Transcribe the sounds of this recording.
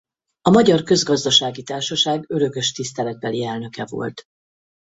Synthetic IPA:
ɒmɒɟɒrkø̞zɡɒzd̪ɒʃaːɡit̪aːrʃɒʃaːɡø̞ɾø̞kø̞ʃt̪ist̪ɛlɛd̪̚bɛliɛlnø̞kɛvo̞̰lt̪

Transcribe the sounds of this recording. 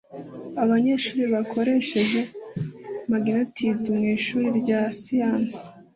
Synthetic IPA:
aβaɲe̞ːɾʃuːɾiβakʰo̞ɾe̞ʃe̞ʒe̞ | maɡinatʰidimŋiːʃuːɾiɾɟaːsijaːnsi̥

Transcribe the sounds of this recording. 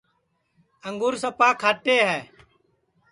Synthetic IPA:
əŋɡuːɾsəpaːkʰaːʈeːɦɛː

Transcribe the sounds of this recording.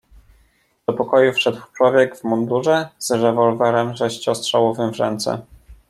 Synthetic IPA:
d̪ɔpɔkɔjufʂɛd̪wft͡ʂwɔvʲjɛɡvmɔnd̪uʐɛz̥ɾɛvɔlvɛɾɛmʐɛɕt͡ɕɔstʂawɔvɘmvʐɛ̰nt̪sɛ̰

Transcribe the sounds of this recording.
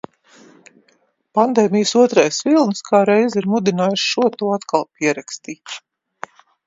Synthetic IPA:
pand̪eːmʲijsuɔt̪ɾajsvilˠnskʰaːɾɛjziɾmud̪inaːjuʃʃuɔt̪uːat̪kalˠp̚ʲiɛɾakst̪iːt̪

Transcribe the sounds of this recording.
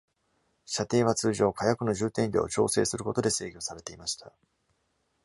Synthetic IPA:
ɕat̪e̞ːβ̞at͡sɨːʑo̞ːkajakɯ̟no̞ʑɨːt̪ẽ̞mʲbʲo̰ːt͡ɕo̞̰ːse̞ːsɨɾɯ̟ko̞t̪o̞d̪e̞se̞ːɡʲo̞saɾe̞t̪e̞imaɕi̥t̪ʰa

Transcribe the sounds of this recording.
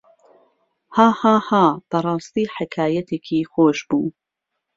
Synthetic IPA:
haːhaːhaːb̥ɐɾˤɑːst̪iːħɪkʰaːjɐt̪ʰeːkʰiːxoːʃbuː

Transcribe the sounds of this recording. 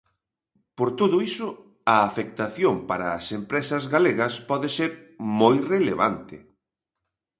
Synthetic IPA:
poɾt̪oðʊisʊ | ɐːfek̚t̪aθjompaɾɐːsempɾesɐzɣaleɣɐspɔðeseɾmojreleβa̰nt̪ɪ̰

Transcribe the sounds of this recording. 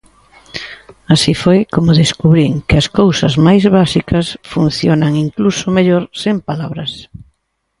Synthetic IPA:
asifojkomʊðeskuβɾiŋkɪɐskowsɐzmajzβasikɐsfun̟θjonaŋiŋklusʊmeʎoɾsempalaβɾɐs

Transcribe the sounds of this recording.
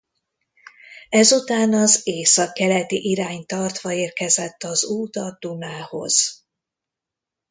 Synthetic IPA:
ɛzut̪aːnɒzeːsɒkːɛlɛt̪iʔiɾaːɲt̪ɒrt̪ʋɒeːrkɛzɛt̪ːɒzuːt̪ɒd̪̥unaːho̞̰z̥

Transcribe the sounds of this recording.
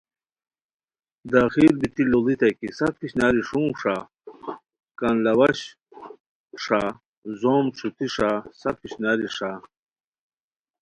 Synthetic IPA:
d̪axiːɾbit̪ilolit̪ɐkisɐkiɕnaːɾiʂũːʂa | kɐnlɐwɐɕ | ʂa | zoːmʈ͡ʂʰut̪iʂasɐkiɕnaːɾiʂa

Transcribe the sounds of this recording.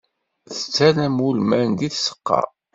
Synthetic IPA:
θə̥t͡sːænæmulmænd̪iθsə̥qːɑ̰

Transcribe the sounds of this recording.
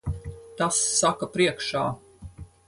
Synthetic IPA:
t̪asːakapɾiɛkʃaː

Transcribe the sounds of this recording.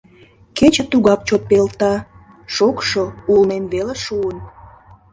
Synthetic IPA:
ket͡ɕə̆t̪uɣɑk̚t͡ɕot̪̚pelt̪ɑ | ʃokʃoulmemβeleʃuən

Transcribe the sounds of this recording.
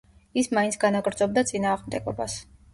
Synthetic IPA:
ismaintsʰɡ̥anaɡɾd̪zɔb̚d̪at̪sʼinaːʁmd̪ɛɡɔbas

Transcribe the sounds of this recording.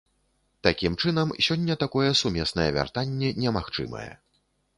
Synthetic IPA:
t̪akʲimt͡ʂɨnɐmsʲɔnʲːɐt̪akɔjɛsumʲɛsnɐjɛvʲa̰rt̪anʲːɛnʲɛmaxt͡ʂɨ̰mɐ̰jɛ̰

